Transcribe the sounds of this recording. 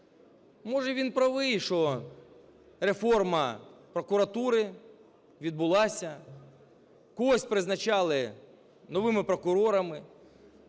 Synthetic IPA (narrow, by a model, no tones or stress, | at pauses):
mɔʒɛʋʲinpɾɐʋɪjʃɔ | ɾefɔrmɐpɾɔkʊɾɐt̪uɾɪ | ʋʲid̪̚bʊlˠɑsʲɐ | kɔɔsʲpɾɪznɐt͡ʃɑlˠɪ | nɔʋɪmɪpɾɔkʊɾɔɾɐmɪ